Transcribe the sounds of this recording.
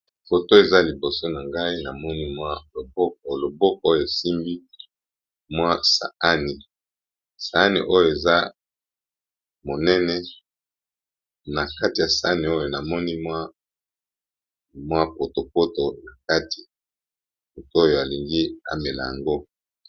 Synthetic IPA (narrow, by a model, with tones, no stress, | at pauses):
fo˨to˦e˨za˦li˨bo˨so˦na˨ŋɡa˦i˦na˨mɔ˦ni˦mwa˦lo˨bo˦ko˨lo˨bo˦k̚o˨˦o˦jo˨e˨si˦mbi˦ | mwa˦sa̰˨a˦ni˨ | sa˨a˦nḭ˨ʔo˦jo˨e˨za˦ | mo˨nɛ˦nɛ˦ | na˨ka˦ti˨ja˨sa˨a˦ni˨o˦jo˨na˨mɔ˦ni˦mwa˦ | mwa˦po˨to˨po˦to˨na˨ka˦ti̥˨ | fo˨to˦o˦jo˨a˨li˨ŋɡi˦a̰˦me˨la̰˨ja̰˨ŋɡo˦